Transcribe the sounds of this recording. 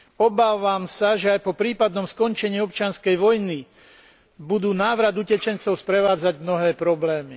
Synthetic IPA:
ɔbaːʋamsaʒɛajpɔpɾiːpad̪̚nɔmskɔnt͡ʃɛɲiːɔp̚t͡ʃɪanskɛjʋɔjni | bud̪uːnaːʋɾad̪ucɛt͡ʃɛnt͡sɔʊspɾɛʋaːd͡zaɟmnɔɦɛːpɾɔblɛːmi

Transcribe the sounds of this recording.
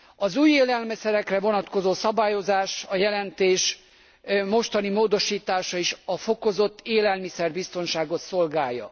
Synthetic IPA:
ɒzuːjeːlɛlmɛsɛɾɛkrɛvo̞nɒt̪ko̞zoːsɒbaːjo̞zaːʃɒjɛlɛnt̪eːʃ | mo̞ʃt̪ɒnimoːd̪o̞ʃiːt̪aːʃɒiʃɒfo̞ko̞zo̞t̪ːeːlɛlmisɛrbist̪o̞nʃaːɡo̞t̪so̞lɡaːjːɒ̰

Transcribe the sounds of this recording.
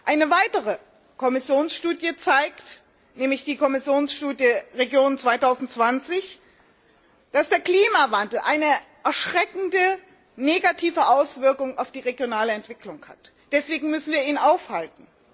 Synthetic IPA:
ʔaɪnəvaɪtəʁə | kʰɔmɪsjoːnsʃtuːdjət͡saɪkt | nɛːmlɪçd̥iːkʰɔmɪsjoːnsʃtuːdjəʁeɡjoːnt͡sv̥aɪtʰaʊzn̩tt͡sv̥ant͡sɪç | d̥asd̥eːɐkliːmavandl̩ʔaɪnəʔɛɐʃʁ̥ɛkn̩də | neːɡatʰiːvəʔaʊsv̥ɪɐkʊŋa̰ʊfd̥iːʁeɡjonaːləɛntv̥ɪklʊŋha̰t | d̥ɛsv̥eːɡŋ̩mʏsn̩viːɐiːnaʊfhaltn̩

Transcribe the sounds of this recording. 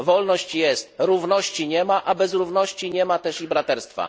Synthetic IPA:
vɔlnɔɕt͡ɕjɛst̪ɾuvnɔɕt͡ɕiɲɛmaʔabɛzɾuvnɔɕt͡ɕiɲɛmat̪ɛʂibɾat̪ɛɾst̪fa̰

